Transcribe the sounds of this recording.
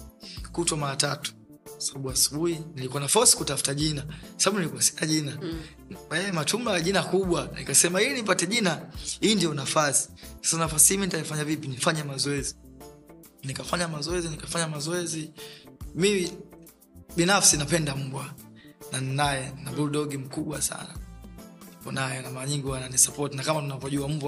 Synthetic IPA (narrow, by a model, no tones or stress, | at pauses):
kutwamaɾatatu̥ | kwḁsaɓaɓuasu̥ɓuhinilikuwanafɔsi̥kutafu̥taʄinakwasaɓaɓunilikuasɛ̥naʄina | ajɛmatumbaaʄinakuɓwanḭkasɛmahinipatɛʄinahiːndiɔnafasi̥sḁsanafasi̥himinitajafaɲavipinifaɲamazɔɛzi | nikafaɲamazɔɛzinikafaɲamazɔɛzi | mimi | ɓinafsinapɛndam̩bwananinajɛnabulɗɔɡim̩kuɓwasa̰na | ikɔnajɔnamaɲiŋɡiwananisapɔtinakamanunavɔʄuam̩bwa